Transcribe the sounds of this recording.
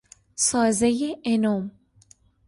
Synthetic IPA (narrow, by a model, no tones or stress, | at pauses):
sɒːzejeenoːm